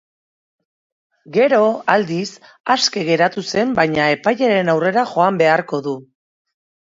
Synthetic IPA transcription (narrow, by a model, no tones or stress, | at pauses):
ɡe̞ɾo̞ald̪is | aske̞ɣe̞ɾat̪use̞mbajɲae̞pajaɾe̞nawre̞ɾaʝo̞ambe̞aɾko̞ðu